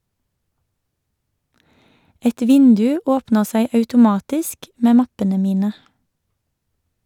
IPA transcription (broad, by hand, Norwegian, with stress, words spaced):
ˈɛt ˈʋɪndʉ ˈoːpnəʁ ˈsæɪ ɑʉtʊˈmɑːtɪsk ˈmeː ˈmɑpənə ˈmiːnə